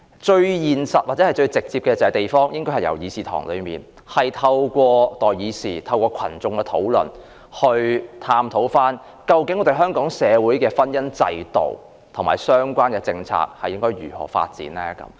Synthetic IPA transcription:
t͡ʃɵ˧ɥjiː˨nsɐ˨t̚waː˨tt͡sɛ˨˥hɐ˨jt͡ʃɵ˧ɥt͡sɪ˨k̚t͡siː˧p̚kɛ˧t͡sɛ˨˥t̪e˨jfɔː˥ŋjɪ˥ŋkɔː˥jhɐ˨jɐ̰˨˩wjiː˨˧siː˨t̪ʰɔ̰ː˨˩ŋlɵ̰˨˧ɥmiː˨n | hɐ˨jt̪ʰɐ˧wkʷɔː˧t̪ɔː˨˩jjiː˨˧siː˨t̪ʰɐ˧wkɔː˧kʰɐ̰˨˩nt͡sʊ˨˧ŋkɛ˧t̪ʰo̰˨˥wlɵ̰˨˩n | hɵ˧ɥt̪ʰaː˧mt̪ʰo˨˥wfaː˥n | kɐ˧wkɪ˨˥ŋɔː˨˧d̪e˨jɦœː˥ŋkɔː˨˥ŋsɛː˨˧wuː˨˥jkɛː˧fɐ˥njɐ˥nt͡sɐ̰˧jt̪o̰˨w | t̪ʰo˨˩maː˨˩jsœː˥ŋkʷaː˥nkɛː˧t͡sɪ˧ŋt͡sʰa̰ː˧k̚hɐ˨jːɪ˥ŋkɔː˥jɥyː˨˩hɔ̰ː˨˩fa̰ː˧t̚t͡sḭː˨˥nlɛː˥kɐ̰˨˧˥m

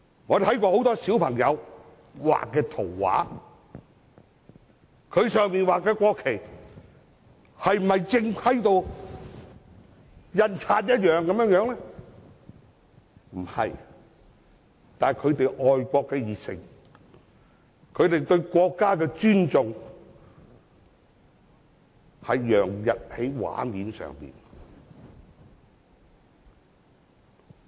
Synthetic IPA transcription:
ŋɔː˨˧t̪ʰɐ˨˥jkʷɔː˧ho˨˥wt̪ɔː˥siː˨˥wpʰɐ˨˩ŋjɐ˨˧w | wa̰ː˨kːɛː˧t̪ʰo˨˩wːa̰ː˨˥ | kʰɵ˨˧ɥsœː˨˧ŋmiː˨nwaː˨kːɛː˧kʷɔː˧kʰːe˨˩j | hɐ˨jm̩˨˩hɐ˨jt͡sɪ˧ŋkʰɐ˥jt̪o˧w | jɐ˧nt͡sʰaː˧t̚jɐ˥t̚jœː˨ŋkɐ˨˥mjœ˨˥jœː˨˧˥ŋlɛ˥ | m̩˨˩hɐ̰˨j | t̪aː˨kʰɵ˨˧t̪e˨jʔɔː˨jkʷɔː˧kːɛː˧jiː˨t̚sɪ̰˨˩ŋ | kʰɵ˨˧ɥt̪e˨jt̪ɵ˧ɥkʷɔː˧kːaː˥kɛː˧t͡ʃyː˥nt͡sʊ˨ŋ | hɐ˨˧jjœː˨˩ŋjɐ˨t̚he˨˥jwa̰ː˨˥miː˨˧nsœ̰ː˨ŋpḭː˨˩n

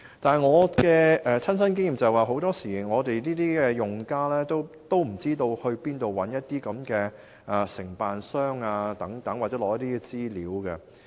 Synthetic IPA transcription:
t̪aː˨n˨˩ŋɔː˨˧kɛː˧ʔɛː˨˧t͡sʰɐ˥nsɐ˥nkɪ˥ŋjiː˨mt͡sɐ˨hɛ˨jwaː˨˧ɦo˨˥wt̪ɔː˥siː˨˩ŋɔː˨˧t̪e˨jniː˥t̪iː˥kɛː˧jʊ˨ŋkaː˥lɛː˥t̪o˥w | t̪o˥wm̩˨˩t͡siː˥t̪o˧whɵ˧ɥpiː˥nt̪o˨wɐ˨˥njɐ˥t̚t̪iː˥kɐ˨˥mkɛː˧ | ʔaː˨sɪ˨˩ŋpaː˨nsœː˥ŋaː˧t̪ɐ˨˥ŋt̪ɐ˨˥ŋwaː˨t̚t͡sɛː˨˥lɔː˨jɐ˥t̪iː˥kɛ˧t͡siː˥liː˨˥wkɐ˧

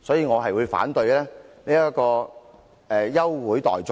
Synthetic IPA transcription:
sɔː˨˥jiː˧ŋɔː˨˧ɦɐ˨jwuː˨˧jfa̰ː˨˥nt̪ɵ˧ɥjlɛː˥ne˥jɐ˥kɔː˧ | ɛː˨jɐ˥wwuː˨˥jt̪ɔ̰ː˨jt͡s

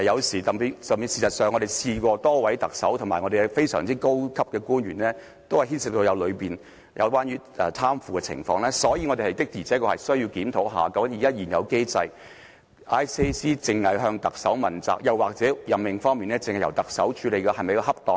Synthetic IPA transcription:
jɐ˨˧wsiː˨˩t̪ɐ˨i˨˧˥sœː˨miː˨˧nsiː˨˩sɐ˨t̚sœː˨ŋɔː˨˧d̪e˨˩jsiː˧kʷɔː˧t̪ɔː˥wɐ˨˥jt̪ɐ˨k̚sɐ˨˥wt̪ʰmaː˨˩ŋɔ˨˧de˨˩ɛ˧fe˥jsœ̰ː˨˩ŋt͡siː˥ko˥wkʰɐ˥p̚kɛː˧kuː˥nɥyː˨˩nlɛː˥ | t̪o˥whɐ˨˩jɦiː˥nsɪ˨k̚t̪o˧wjɐ˨˧wlɵ˨˧piː˨˩n | jʔɐ̰˨˧wkwʷaː˥njyː˨˧˥ʔɛ̰ː˨t̪ʰaː˥mfuː˨˧kɛ˧t͡sʰɪ̰˨˩ŋfɔː˧ŋlɛː˥sɔː˨˥ji˨˧ŋɔː˨˧de˨hɐ˨jt̪ɪ˥k̚t̪iː˨˩t͡sʰɛː˨˥kɔː˧hɐ˨jsɵ˥ɥji˧wkiː˨˥mt̪ʰo˨˥wɦa̰ː˨kɐ˨˥ŋ˥jiː˨˩jɐː˥jiː˨˩njɐ̰˨˧wke˥jt͡sɐ˧j | ʔaː˥jse˥jsiː˥t͡sɪ˨ŋhɐ˨jɦœː˧ŋt̪ɐ˨k̚sɐ˨˥wmɐ˨˩nt͡sa̰ː˨˩k̚jɐ˨waː˨k̚t͡sɛː˨˥jɐ˨mːɪ˨ŋfɔː˥ŋmiː˨nɛː˥t͡sɪ˧˨ŋhjɐ̰˨˩wt̪ɐ˨k̚sɐ˨˥wt͡ʃʰyː˨˧le˨jkɛː˧hɐ˨jmɐ˨jkɔ˧ɦɐ˥p̚t̪ɔː˨ŋ

